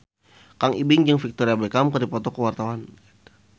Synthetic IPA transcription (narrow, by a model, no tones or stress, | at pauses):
kaŋibɪŋd͡ʒəŋfik̚t̪ɔɾiabekamkərdipɔt̪ɔkəwart̪awanɡit̪u̥